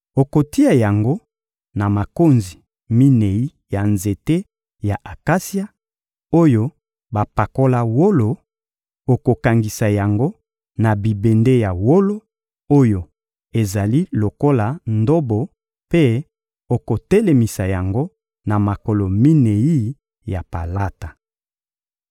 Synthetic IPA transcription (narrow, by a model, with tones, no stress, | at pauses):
o˨ko˨ti˦a˨ja˨ŋɡo˦ | na˨ma˨ko˦nzi˨ | mi˦ne˨ji˦ | ja˨nze˨te˦ | ja˨ʔa˨ka˦si˦a˦ | o˦jo˦ | ba˨pa˨ko˦la˦wo˦lo˨ | o˨ko˨ka˨ŋɡi˨sa˨ja˨ŋɡo˦ | na˨bi˨be˨nde˦ja˨wo˦lo˦ | o˦jo˨ | e˨za˨li˦lo˨ko˦la˨ndo˦bo˨ | pe˦ | o˨ko˨tɛ˦le˨mi˨sa˨ja˨ŋɡo˦ | na˨ma˨ko˨lo˨mi˦ne˨ji˦ | ja˨pa̰˨la˦ta˨